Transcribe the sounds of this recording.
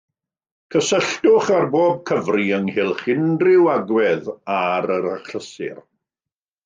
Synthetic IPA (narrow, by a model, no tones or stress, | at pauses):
kʰəsəɬtʊχarboːb̚kʰəvriəŋhɪlˠχɪndrɪwaɡwɛðaɾəɾaχləsɪ̰r